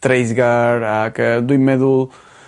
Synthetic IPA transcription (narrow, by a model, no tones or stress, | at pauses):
t̪ɾejzɣaɾakɐd̪uimɛðulˠ